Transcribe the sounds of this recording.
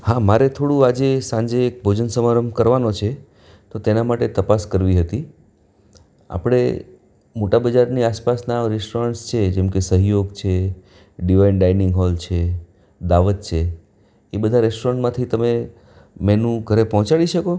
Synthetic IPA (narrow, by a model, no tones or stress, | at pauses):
hamaɾet̪ʰoɽũad͡ʒesãɲd͡ʒeːk̚bʱod͡ʒənsəmaɾəmkəɾʋanot͡ʃʰe | t̪ot̪enamaʈet̪əpaskəɾʋiɦət̪i | a̰pɽ̃ḛ | moʈabəd͡ʒaɾniaspasnaɾɛsʈoɾəɳʈst͡ʃʰed͡ʒɛmkesəɦjoɡt͡ʃʰe | ɖiʋainɖainɪ̃ŋɡɦɔlt͡ʃʰe | d̪aʋət̪̚t͡ʃʰe | ebəd̪ʱaɾɛsʈoɾəɳʈmãt̪ʰit̪əme | mɛnũɡʱəɾepɔɦɔ̃t͡ʃaɽiʃəko